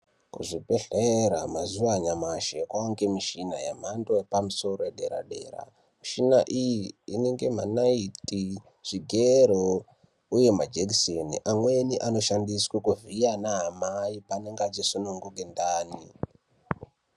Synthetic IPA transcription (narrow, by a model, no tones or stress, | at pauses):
kṵʐipeɬeeɾamazuaɲamaʃekwaoŋɡemiʃinajam̤andojepamuso̞roeɗe̞̰ɾa̰ɗe̞̰ːɾa̰ | miʃinaʔijiine̞ŋɡe̞m̤anaiti | ʐ̥iɡʱeɾo | uje̞mad͡ʒekisenḭʔamwe̞niʔano̞ʃandiswekuvijanaɦamaipaneŋɡat͡ʃesonoŋɡuɡendaːni